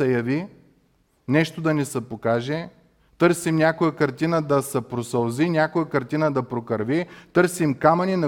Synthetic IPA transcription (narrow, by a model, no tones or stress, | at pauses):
ɐjɐvi | nɛʃt̪od̪ɐnɛsɐpokaʒɛ | t̪ɤɾsimnʲakojəkɐɾt̪inəd̪ɐsɐpɾosɐlˠzinʲakojəkɐɾt̪inəd̪ɐpɾokɐɾvit̪ɤɾsimkamɐninɐ